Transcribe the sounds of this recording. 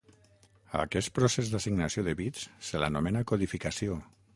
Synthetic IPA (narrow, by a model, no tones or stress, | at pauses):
a̰kɛst̪̚pɾosezd̪asiɡnasioðəβit͡ssəla̰numenakoðifikasio